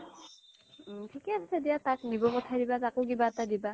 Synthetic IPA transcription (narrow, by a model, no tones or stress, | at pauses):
tʰikɛassedijataknibɔkɔtʰadibatakʊkibaɛtadiba